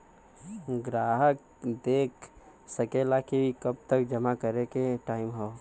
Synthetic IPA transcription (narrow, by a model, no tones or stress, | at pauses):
ɡɾaːɦək̚ | d̪eːkʰ | səkelakiikəb̚t̪əkd͡ʒəmakəɾekeʈaːɪmɦɔː